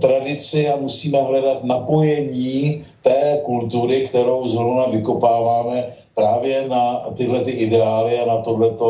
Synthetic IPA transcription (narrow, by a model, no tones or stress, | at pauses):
t̪ɾadɪt͡sɪamusiːmɛɦlɛdat̪napo̞jɛɲiːt̪ɛːkult̪uɾɪkt̪ɛɾo̞wznovnavɪko̞paːvaːmɛ | pɾaːvjɛnat̪ɪɦlɛt̪ɪʔɪdɛaːlɪanat̪oɦlɛt̪o̞